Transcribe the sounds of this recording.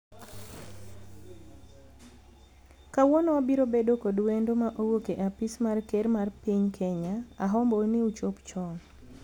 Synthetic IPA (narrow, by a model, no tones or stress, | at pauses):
kawɔnɔabiɾobedokodwendomaʔowokeʔapismarkeɾmarpiɲkʰeɲaaɦɔmboniut͡ʃopt͡ʃɔŋ